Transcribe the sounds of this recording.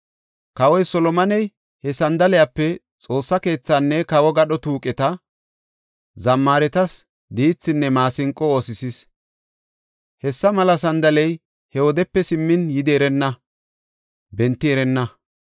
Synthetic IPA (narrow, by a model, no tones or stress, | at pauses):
kɐwɔjsɔlɔmɐnɛj | hɛsɐnd̪ɐlɪjapːɛ | t͡sʼo̞ːsːɐke̞ːt͡sːanːɛkɐwɔɡɐɗɔt̪uːkʼɛt̪ɐ | zɐmːaːɾɛt̪ɐs | d̪iːt͡sːɪnːɛmaːsɪŋkʼːɔoːsɪsɪs | hɛsːɐmɐlɐsɐnd̪ɐlɛj | hɛwɔd̪ɛpːɛsɪmːɪnjɪd̪ɛɾɛnːɐ | bɛnt̪ːɪɛɾɛnːɐ